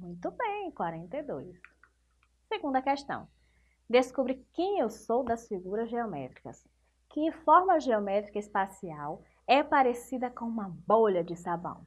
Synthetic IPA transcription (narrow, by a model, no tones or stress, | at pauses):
mũj̃t̪ʊbẽj̃kwaɾẽnt̪ejd̪ojs | seɡũnd̪ɐkɛʃt̪ɐ̰̃w̃ | d̪eskubɾikẽj̃ewsowd̪ɐsfiɡuɾɐzʒeɔmɛ̰t̪ɾi̥kɐs | kɪfɔɾmɐʒeɔmɛt̪ɾikɐispasiaw | ɛpaɾesid̪ɐkõũmɐboʎɐd͡ʒɪsabɐ̰̃w̃